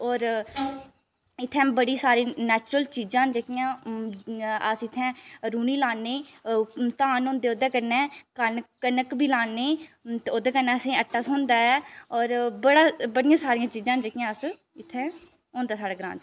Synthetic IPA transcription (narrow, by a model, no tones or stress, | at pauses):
ɔːɾ | ɪt̪ʰːɛ̃ːbəɽiːsaːɾeːnɛːt͡ʃɾəlt͡ʃiːzãːd͡ʒeːkɪjãː | əsɪt̪ʰːɛ̃ːɾuːniːlaːnːeː | t̪ãːnõːnd̪eːoːd̪ɛ̃ːkəɾnɛ̃ːkənkənəkbʱiːlaːnːeːt̪eːod̪ɛːkəɾnɛːəsẽːəʈʰːaːsɦõːnd̪aːɛːɔːɾbəɽaːbəɽɪjãːsaːɾijãːt͡ʃiːzãːnd͡ʒeːkɪjãːəs | ɪt̪ʰːɛ̃ː | oːnd̪aːsaːɽaːɡɾã̰ːnd͡ʒ